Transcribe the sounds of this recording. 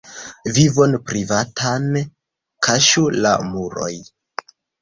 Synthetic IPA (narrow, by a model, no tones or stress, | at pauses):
vivo̞npɾivatʰan | kʰaʃula̰muɾo̞̰j